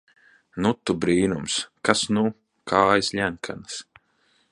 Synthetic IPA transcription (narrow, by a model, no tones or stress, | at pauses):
nut̪ːubɾiːnumskasnu | kʰaːjslʲæŋkʰa̰ns